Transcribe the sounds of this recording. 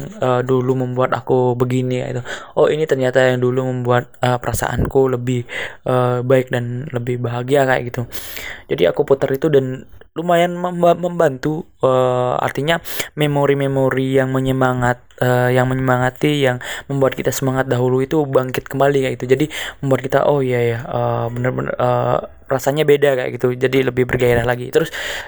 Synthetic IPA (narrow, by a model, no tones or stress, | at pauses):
əduluməmbuat̪a̰kubəɡinika̰ʔḭt̪uoinit̪ərɲat̪ajaŋduluməmbuat̪̚əpəɾasa̰ʔa̰nkuləbɪhʔəbaɪk̚danləbɪhbaɦaɡiaka̰ʔa̰ɡit̪ud͡ʒadia̰kuput̪əɾit̪udanlumajanməmməmbant̪u | əːa̰rt̪iɲamemoɾimemoɾijaŋməɲəmaŋat̪̚əjaŋməɲəmaŋat̪ijaŋməmbuat̪̚kit̪asəmaŋat̪̚daɦuluit̪ubaŋkɪt̪̚kəmbalikaʔɡit̪ud͡ʒadiməmbuat̪kit̪a̰ʔɔhijajaəbənərbənə̰rəː | rasaɲabedaka̰ʔɡit̪ud͡ʒadiləbɪhbərɡaeɾahlaɡit̪əɾʊs